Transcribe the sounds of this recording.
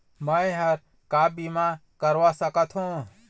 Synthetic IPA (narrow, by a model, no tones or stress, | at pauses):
məjɦəɾ | kabimakəɾʋasəkət̪ʰɦũ